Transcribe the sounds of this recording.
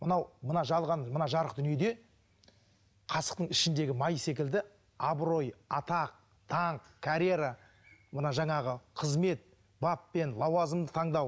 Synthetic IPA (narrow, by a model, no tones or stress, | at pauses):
mənɑwmənɑʒɑlˠʁɑnmənɑʒɑɾəqd̪ʏnje̞d̪e̞ | qʰɑsə̥q̚t̪əɴɪʃɪnd̪e̞ɡʲɪmɑjse̞k̬ʲɪld̪ɪ | ɑbɾo̞jɑt̪ɑq̚ | t̪ʰɑɴqkʰaɾʲeɾa | mənɑʒɑɴɑʁəqʰəzme̞t̪̚ | bapːe̞nlˠɑwɑzəmd̪ət̪ʰɑɴd̪ɑw